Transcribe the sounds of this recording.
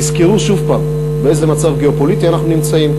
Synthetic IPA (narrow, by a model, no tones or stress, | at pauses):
izkiʁuʃuvpaːm | beeze̞mat͡savɡe̞opo̞lit̪ianaχnunimt͡saim